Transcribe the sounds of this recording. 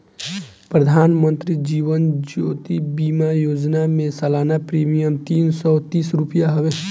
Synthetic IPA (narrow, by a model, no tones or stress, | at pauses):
pɾəd̪ʱaːnmə̃nt̪ɾid͡ʒiːʋənd͡ʒoːt̪ibiːmajoːd͡ʒnamẽsɐlaːnapɾiːmijəmt̪iːnsɔt̪iːsɾupjaɦɐʋe